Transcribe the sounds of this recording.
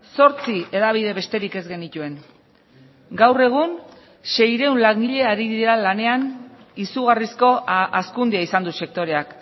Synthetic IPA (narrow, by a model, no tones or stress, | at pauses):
so̞ɾt͡sie̞ðaβ̞iðe̞βe̞st̪e̞ɾike̞zɡe̞nit̪ue̞ŋ | ɡawre̞ɣ̞un | ʃe̞jɾe̞unlaŋɡiʎe̞aɾiðiɾalane̞an | isuɣ̞arisko̞ʔaskund̪iaisand̪use̞k̚t̪o̞ɾe̞ak